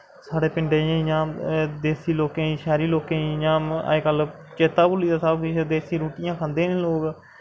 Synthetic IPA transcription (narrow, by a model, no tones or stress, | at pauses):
saːɽeːpɪɳɖeːẽjãːd̪eːsiːloːkẽːĩːʃɛːɾiːloːkẽːijãːə̰ekəl | t͡ʃeːt̪aːbʊliːd̪aːsəbkɪt͡ʃd̪eːsiːɾoːʈɪjãːkʰãːnd̪ẽːnẽːloːɡ